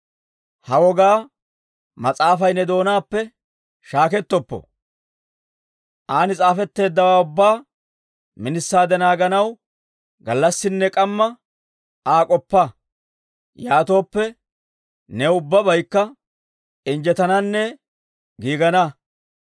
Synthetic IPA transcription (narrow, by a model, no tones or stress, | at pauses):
hɐwɔɡaː | mɐt͡sʼaːfɐjnɛd̪o̞ːnaːpːɛ | ʃaːkɛt̪ːɔpːɔ̰ | ʔaːnɪt͡sʼaːfɛt̪ːe̞ːd̪ːɐwaːʊbːaː | mɪnɪsːaːd̪ɛnaːɡɐnɐw | ɡɐlːɐsːɪnːɛkʼɐmːɐ | aːkʼɔpːɐ | jaːt̪o̞ːpːɛ | nɛʊbːɐbɐjkːɐ | ɪnd͡ʒɛt̪ɐnɐnːɛ | ɡiːɡɐnɐ